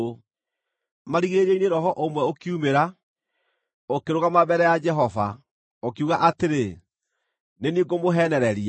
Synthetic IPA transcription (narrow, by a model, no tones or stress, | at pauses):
o | maɾiɣiɾeɾeineɾɔhɔʔomwɛokiumeɾa | okeɾoɣamabɛɾɛjad͡ʒɛɦɔva̰ | okiuɣaʔateɾe | neniɡomoɦɛnɛɾɛɾi